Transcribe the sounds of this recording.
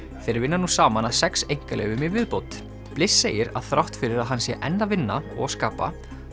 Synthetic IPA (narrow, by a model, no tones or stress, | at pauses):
θeːɾɪɾvɪnːanusaːmanasɛksejŋ̥kalɛ̰ɣʏmɪvɪðpowt̪ | plɪsːeːjɪɾa̰ðθɾawht̪fɪɾɪɾaðɦanːsjɛʔɛnːavɪnːaɔɣskaːpa̰